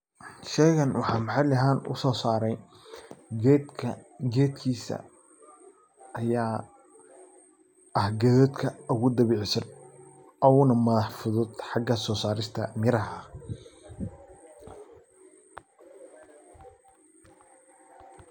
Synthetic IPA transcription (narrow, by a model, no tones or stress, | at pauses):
ʃɛːɣɐnwɑħɑːmħɑjlɐɦaːnʊ̰sɔːsaːɾɛj | ɡɛːd̪kʰiːsɐ̰ | ɐjaː | ʔɐhɡɛːðɔːd̪kʰɐʊɣʊd̪ɐβiːʕsɐn | ʔɔʊnɐmɐðɐħfʊðʊd̪ħɑɡɐsɔːsaːɾɪst̪ʰɐmɪɾɐɦɐ